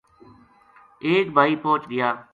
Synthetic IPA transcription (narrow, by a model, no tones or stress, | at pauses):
eːkbʱaːiːpõːt͡ʃɡɪjaː